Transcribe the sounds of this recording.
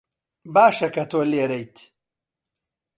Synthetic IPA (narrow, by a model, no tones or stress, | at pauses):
baːʃɐkɐt̪ʰoːleːɾɐjt̪ʰ